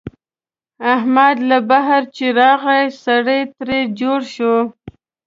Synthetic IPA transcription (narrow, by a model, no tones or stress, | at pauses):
ahmad̪labaɦaɾt͡ʃeɾɑɣajsaɽəjt̪ɾed͡ʒoɽʃo